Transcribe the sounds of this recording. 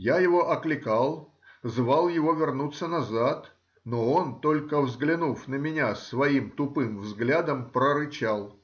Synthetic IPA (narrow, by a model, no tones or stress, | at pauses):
jajɪvo̞ʔɐklʲɪkalˠ | zvalˠjɪvo̞vʲɪrnut̪sːənɐzat̪ | noont̪o̞lʲkəvzɡlʲɪnufnəmʲɪnʲasvɐimt̪ʊpɨmvzɡlʲad̪əmpɾəɾɨt͡ɕalˠ